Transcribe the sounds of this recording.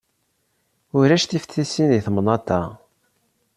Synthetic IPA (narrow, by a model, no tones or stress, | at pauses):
ʊɾæʃθifθisiniθmnɑt̪ːæ